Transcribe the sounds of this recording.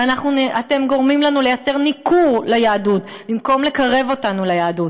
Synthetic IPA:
anaχnunate̞mɡo̞ʁmimlanule̞jat͡se̞ʁnikʰuʁlajaːdut | bimko̞mle̞kaʁe̞vo̞tanulajaːdut

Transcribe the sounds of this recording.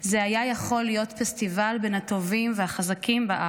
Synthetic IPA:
zeajajaχo̞lːijo̞tfestivalbe̞nhat̪o̞vimvehaχazakimbaʔa

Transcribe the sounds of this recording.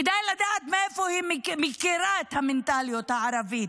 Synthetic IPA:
id̪aːjlɐd̪at̪̚mɛfoɦimmikeɾaːt̪ʰɐmɪnt̪aːlijot̪aaɾɐvi

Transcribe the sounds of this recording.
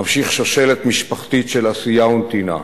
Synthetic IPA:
amʃiχʃoʃe̞let̪miʃpaχt̪itʃe̞lasijaunt̪ina̰

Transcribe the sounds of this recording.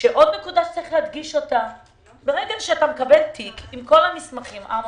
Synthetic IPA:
ʃeʔo̞d̪nekudat͡saʁiχlead̪ɡiʃo̞ta | beʁeɡaʃeatamekabe̞ltikimko̞lamismaχimʔa

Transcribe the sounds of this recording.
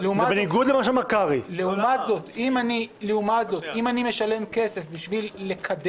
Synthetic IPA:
leumabeniɡud̪lemaʃ̬amakaʁileumat̪zo̞t̪imanileumat̪zo̞t̪imanime̞ʃale̞mke̞se̞fbiʃvilːe̞kʰad̪

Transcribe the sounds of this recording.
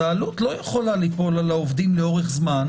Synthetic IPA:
aːlut̪lo̞jeχo̞lalipo̞lalaovd̪imleo̞ʁeχzman

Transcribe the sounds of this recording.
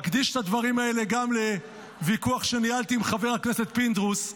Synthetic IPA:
kd̪iʃt̪ad̪vaʁimae̞le̞ɡamle̞ | vikuaχʃe̞nialt̪iːmχave̞ʁakne̞set̪̚pind̪ʁus

